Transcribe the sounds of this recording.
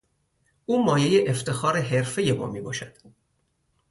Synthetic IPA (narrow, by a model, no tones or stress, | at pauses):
ʔuːmɒːje̞jeʔeft̪ʰe̞xɒːɾeɦeɾfe̞je̞mɒ̰ːmiːbɒ̰ːʃæd̪̥